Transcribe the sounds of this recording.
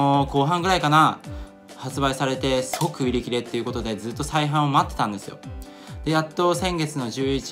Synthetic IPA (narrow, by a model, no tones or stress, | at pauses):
oko̞ːɦãŋɡɯɾaikana | hat͡sɨbaisaɾe̞t̪e̞sɨɡokɯ̟iɾʲikʲiɾe̞t̪ːeiɯ̟ko̞t̪o̞d̪e̞zɨːt̪ːo̞saiɦãɰ̃omaat̪ːe̞̥t̪ãnd̪e̞sɨjo̞̰ | d̪̥e̞jat̪ːo̞sẽ̞ŋɡe̞t͡sɨno̞ʑɨːit͡ɕ